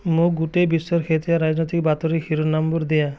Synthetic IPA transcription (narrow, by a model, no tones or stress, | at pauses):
moɡuʈebisɔɾkʰet̪ijaɾad͡ʒnɔjt̪ikbat̪ɔɾihiɾonambuɾd̪eja